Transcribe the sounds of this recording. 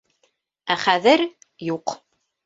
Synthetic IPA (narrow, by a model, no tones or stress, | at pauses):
æχæðɘɾ | juq